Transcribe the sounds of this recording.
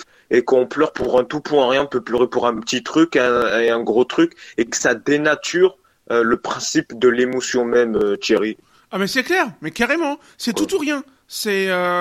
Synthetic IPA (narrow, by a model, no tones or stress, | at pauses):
ekɔ̃plœʁpuʁɛ̃t̪upwɛ̃ʁjɛ̃ɔ̃pøpløʁepuʁɛ̃pət̪it̪χykɛ̃eɛ̃ɡʁot̪χykekə̥sad̪enat̪ʰyʁ | øləpχɛ̃sipd̪əlemosjɔ̃mɛmøt̪jeʁi | amɛsɛklɛʁmɛkaʁemɑ̃ | sɛt̪ut̪uʁjɛ̃ | sɛø